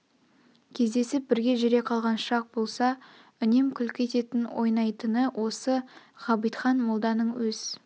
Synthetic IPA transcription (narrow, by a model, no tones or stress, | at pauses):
kʲʰe̞zd̪e̞sɪp̚bɪɾɡʲe̞ʒɪɾe̞qʰɑlˠʁɑnʃɑq̚bo̞lˠsɑ | ʏne̞mkʲʰʏlkʲʰe̞t̪e̞t̪ɪnwo̞jnɑjt̪ənəwʔo̞sə | ʁɑbijt̪χɑnmolˠd̪ɑnəɴwɵz̥